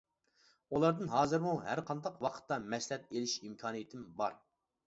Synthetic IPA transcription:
ulˠɑɾd̪ɨnɦɑːzɨɾmuɦæɾqʰɑnd̪ɑqwɑqʰə̥t̪ːɑmɛslɛt̪̚elɪʃimkʲʰɑːnɨjit̪ʰɪmbɑ̰ɾ

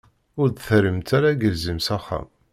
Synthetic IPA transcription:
ʊɾd̪θəɾəmt̪ʰaɾaɡəlzimsæχːa̰m

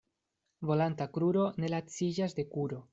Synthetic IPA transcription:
vo̞lant̪akɾuɾo̞ne̞lat͡sid͡ʒazd̪e̞kuɾo̞

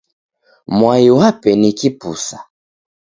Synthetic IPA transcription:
mwajiwapɛnikipusḁ

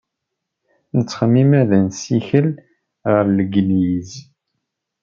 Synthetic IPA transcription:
nət͡sːχəmːimæðənsiçəl | ʁəɾləɡnjiz

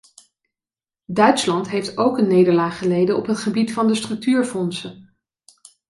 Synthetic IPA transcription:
dœɥtslɑntɦejftowkənːejdəɹlaːχəlejdəɔpɦətχəbitfɑndəstrɵk̚tyːɹfɔnsə

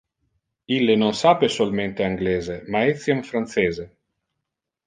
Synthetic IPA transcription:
ilːenonsaːpesolment̪eaŋɡleːzemaɛt̪sjamfɾant̪seːze

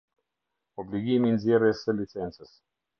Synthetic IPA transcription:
oblʲiɡʲimʲinzʲeɾesəlʲit̪sɛnsəs

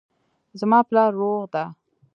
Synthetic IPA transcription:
zmɑplɑɾːoɣd̪a

